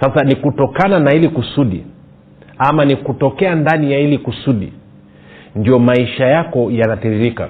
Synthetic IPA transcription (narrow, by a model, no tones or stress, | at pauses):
sasanikutɔkananahilikusuɗḭ | amanikutɔkɛandanijahilikusuɗḭ | ndijɔmaiʃajakɔjanatɛɾiɾika̰